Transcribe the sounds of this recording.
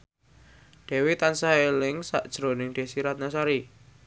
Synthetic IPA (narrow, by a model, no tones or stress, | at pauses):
ɖ̥ɛ̤wit̪ansaelɪŋsa̰ʔd̥ʒ̥ɾonɪŋɖ̪̥e̤siɾat̪̚nasaɾi